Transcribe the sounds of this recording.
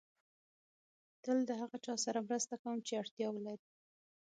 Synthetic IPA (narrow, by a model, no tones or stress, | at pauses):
t̪əld̪əɦaɣat͡ʃɑsaɾamɾəst̪akawəmt͡ʃeaɽt̪jɑwəlajɾi